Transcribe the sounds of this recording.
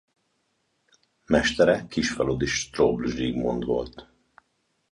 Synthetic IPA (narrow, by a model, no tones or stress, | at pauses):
mɛʃt̪ɛɾɛkkːiʃfɛlod̪iʃt̪roblʒiːɡmo̰nd̪ʋo̞̰lt̪